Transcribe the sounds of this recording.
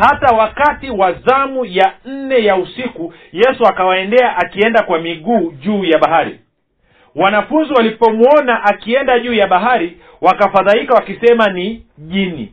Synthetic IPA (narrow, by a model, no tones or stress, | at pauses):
hatawakatiwaðamujan̩nɛjausiku | jɛsuakawaɛndɛaʔakiɛndakwamiɠuːʄuːjaɓaɦaɾḭ | wanafunziwalipɔmwɔnaʔakiɛndaʄuːjaɓaɦaɾi | wakafaðaikawakisɛmaniʄinḭ